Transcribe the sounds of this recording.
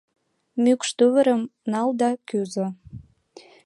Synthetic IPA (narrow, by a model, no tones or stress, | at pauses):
mykʃt̪yβəɾəmnɑld̪ɑkyzo